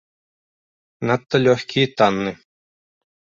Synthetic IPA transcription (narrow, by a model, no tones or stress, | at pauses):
nat̪ːɐlʲœħkʰʲiːt̪anːɨ